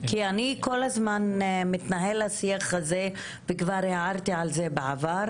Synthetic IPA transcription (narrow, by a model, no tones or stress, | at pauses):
kianiko̞lazmanmit̪naɦe̞lhasiaχhaze | vekvaʁeaʁt̪iʕalzebeʕavaʁ